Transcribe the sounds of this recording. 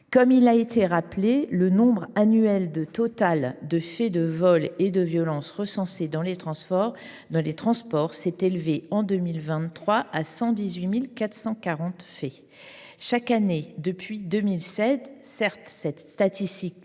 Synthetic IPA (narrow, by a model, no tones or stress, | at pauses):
kɔmilaet̪ʰeʁaplelənɔ̃bʁanyɛld̪ət̪ɔt̪ald̪əfɛd̪əvɔled̪əvjɔlɑ̃sʁəsɑ̃sed̪ɑ̃let̪χɑ̃spɔʁd̪ɑ̃let̪χɑ̃spɔʁsɛt̪elveɑ̃d̪ømilvɛ̃χwaʔasɑ̃d̪izɥimilkat̪χsɑ̃kaʁɑ̃t̪fɛ | ʃakaned̪əpɥid̪ømilsɛzsɛʁt̪sɛt̪st̪at̪ist̪ik